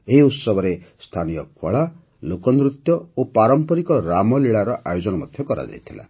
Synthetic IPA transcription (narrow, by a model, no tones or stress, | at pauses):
eɦiut̪sʌbʌɾest̪ʰanijʌkʰoɭa | lokʌnd̪rut̪jʌopaɾʌmpʌɾikʌɾamʌliɭaɾʌʔajod͡zʌnamʌd̪ʱjʌkʌɾa̰d͡za̰jt̪ʰela̰